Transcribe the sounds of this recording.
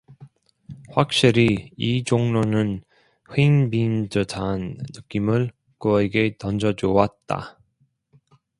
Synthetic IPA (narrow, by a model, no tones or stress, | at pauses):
ɸwak̚ɕ͈iɾiid͡ʑoŋnonɯn | ɸeinbind͡ʑɯtʰanːɯk͈imɯɭ | kʌeɡe̞tʌnd͡ʑʌd͡ʑowat̚t͈a̰